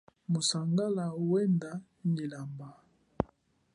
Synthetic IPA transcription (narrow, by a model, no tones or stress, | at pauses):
mosaŋɡalauwɛnda | nilamba